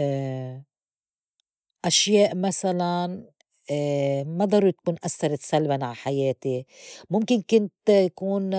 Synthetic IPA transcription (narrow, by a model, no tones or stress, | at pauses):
ʔaʃjeːʔmasalan | mad̪ˤɑɾˤuɾt̪akuːnʔasːɑɾˤat̪salbanʕaħajeːt̪imʊmkɪnkɪnt̪akuːn